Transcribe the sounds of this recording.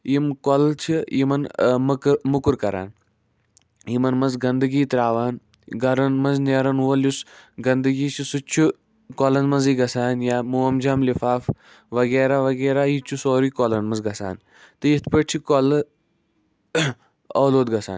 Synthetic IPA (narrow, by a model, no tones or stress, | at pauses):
jimkolt͡ʃʰijimɐnmɐkmukuɾkɐɾa̰ːn | jimɐnmɐzɡɐnd̪əɡiːt̪ɾaːʋaːn | ɡɐɾɐnmɐnzneːɾɐnɦuɐljusɡɐnd̪ɨɡiːt͡ʃʰisut͡ʃʰu | kolɐnmɐnziːɡɐsaːnjaːmuɐmd͡ʒaːmlifaːf | ʋɐɡeːɾaːʋɐɡeːɾaːjit͡ʃʰusoːɾiːkɔlɐnmɐnzɡɐsa̰ːn | t̪ɨjit̪ʰpəʈ̚t͡ʃʰikol | ɐːloːd̪ɡɐsa̰ːn